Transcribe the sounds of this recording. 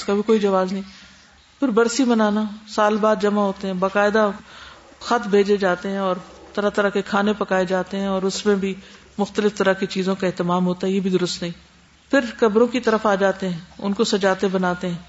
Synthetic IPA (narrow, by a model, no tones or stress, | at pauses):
skabʱikoːid͡ʒɐʋaːznɐɦĩ | pʰɪɾbɐɾsibɐnaːnasaːlbaːd̪d͡ʒɐmaɦoːt̪eɦɛ̃ːbaːkaːɪd̪a | xɐt̪ʰbʱeːd͡ʒed͡ʒaːt̪eɦɛ̃ɔːɾt̪ɐɾat̪ɐɾəkekʰaːnepɐkaːed͡ʒaːt̪eɦɛ̃ɔːɾʊsmẽbʱi | mʊxt̪əlɪft̪ɐɾəkit͡ʃiːzõkaɛɦt̪ɪmaːmɦoːt̪aɦɛjebʱid̪ʊɾʊst̪nɦĩː | pʰɪɾkɐbɾõkit̪ɐɾəfaːd͡ʒaːt̪eɦɛ̃ːʊ̰nkosɐd͡ʒaːt̪ebɐnaːt̪eɦɛ̃ː